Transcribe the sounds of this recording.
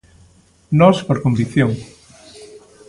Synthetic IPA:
nɔspoɾkombikθjoŋ

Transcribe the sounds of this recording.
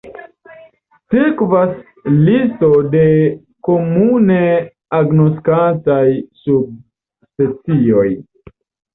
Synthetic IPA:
siɾkvas | listode̞ | ko̞mune | aɡnoskantajsub̚ | spe̞t͡sio̞j

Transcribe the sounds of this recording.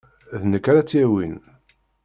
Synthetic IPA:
ðnəkːaɾat͡sːjæwin

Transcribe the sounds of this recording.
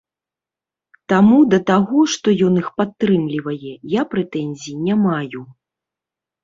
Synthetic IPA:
t̪amud̪ɐt̪aɣɔʂt̪ɔjɔnixpat̪ːɾɨmlʲivɐjɛjapɾɛt̪ɛnʲzʲijinʲamaju

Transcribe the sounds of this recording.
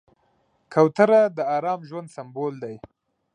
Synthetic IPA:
kʰawt̪aɾad̪əɑɾɑmʒwand̪sambold̪aj

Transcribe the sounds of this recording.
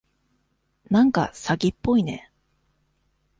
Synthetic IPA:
nãŋka̰saɡʲipːo̞ine̞̰

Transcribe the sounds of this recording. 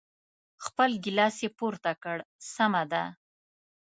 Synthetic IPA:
xpəlɡɪlɑsjepoɾt̪akəɽsamad̪a

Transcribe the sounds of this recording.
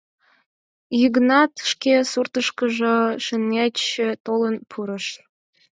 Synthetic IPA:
jiɡnɑt̪ʃkesurt̪ə̆ʃkɤ̆ʒɤ̆ʃɘ̆nːæɘ̆t̪olɤ̆npʰuɾɤ̆ʃ

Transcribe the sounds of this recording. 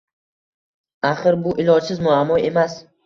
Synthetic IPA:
aχɨɾbʊʔɪlˠɒd͡ʒsɪzmʊamːɒe̞mas

